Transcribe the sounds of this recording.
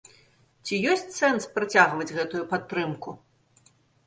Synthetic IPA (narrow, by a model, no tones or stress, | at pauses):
t͡sʲijɔsʲt͡sʲsɛnspɾat͡sʲaɣvɐd͡zʲɣɛt̪ujupat̪ːɾɨmku